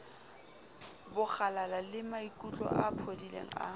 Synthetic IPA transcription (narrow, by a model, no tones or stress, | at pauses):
bʊχalalalɪmaikʼut͡ɬʼɔ̰ʔapʰodilḛŋ̩a̰